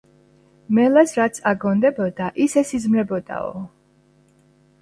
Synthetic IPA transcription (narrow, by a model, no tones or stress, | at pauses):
mɛlasɾat̪sʰaɡɔnd̪ɛbɔd̪aʔisɛsizmɾɛbɔd̪̥a̰ɔ̰